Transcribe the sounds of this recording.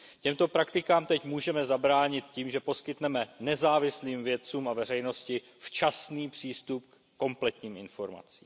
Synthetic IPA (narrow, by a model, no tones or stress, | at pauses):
cɛmt̪o̞pɾakt̪ɪkaːmt̪ɛcmuːʒɛmɛzabɾaːɲɪt̪ciːmʒɛpo̞skɪt̪nɛmɛnɛzaːvɪsliːmvjɛt͡suːmavɛr̝ɛjno̞scɪ | ft͡ʃasniːpr̝̥iːst̪up̚k | ko̞mplɛt̪ɲiːmɪnfo̞ɾma̰t͡sḭːm